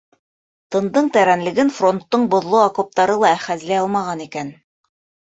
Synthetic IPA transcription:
t̪ɤ̆nd̪ɤɴt̪æɾænlɘ̆ɡɘnfro̞nt̪ːɤɴbŏðlˠoakop̚t̪ɑɾɤlˠɑæχæzlæɑlˠmɑʁɑnikæn

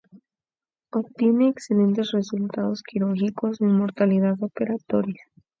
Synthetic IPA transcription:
opt̪jene̞ːkse̞le̞nt̪esre̞sult̪að̞o̞skiɾuɾxiko̞simo̞ɾt̪alið̞aðo̞pe̞ɾat̪o̞ɾjas

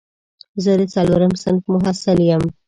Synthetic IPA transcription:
zəd̪ət͡saloɾəmsɪnfmʊɦasɪljəm

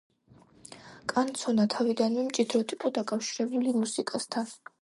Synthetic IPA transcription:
kʼant̪sʰɔnat̪ʰavid̪anmimt͡ʃʼid̪ɾɔt̪ʰipʼɔd̪akʼafʃiɾɛbulimusikʼast̪ʰan

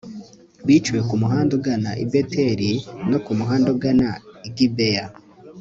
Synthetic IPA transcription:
βit͡ʃuwe̞kumuɦaːndoɡanaʔibete̞ɾino̞kumuɦaːndoɡanaiɡibeja

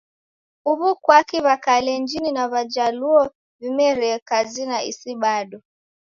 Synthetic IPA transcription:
uβukwakiβakalɛnd͡ʒininaβad͡ʒaluɔ | vimɛɾɛkazinaḭsiɓaɗɔ

